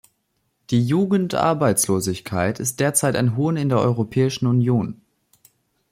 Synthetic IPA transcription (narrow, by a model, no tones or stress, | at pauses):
d̥iːjuːɡn̩tʔa̰ɐbaɪt͡sloːzɪçkʰaɪtʰɪst̚d̥eːɐt͡saɪta̰ɪnɦoːnɪndeːɐʔɔʏʁopʰɛːɪʃn̩unjoːn